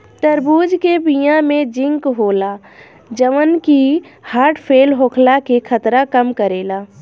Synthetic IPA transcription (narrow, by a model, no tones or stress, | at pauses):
ʈ̪əɾbuːd͡ʒkebijãmẽd͡ʒɪ̃ŋkɦoːlaː | d͡ʒəʋənkihaːɾʈpʰeːlɦoːkʰlakekʰət̪ɾakəmkəɾeːlaː